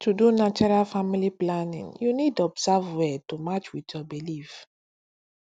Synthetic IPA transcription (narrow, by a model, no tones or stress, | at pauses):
tudunat͡ʃɔɹalfamiliplanḭ̃ŋjunidɔbzavwɛtumat͡ʃwitjɔbilif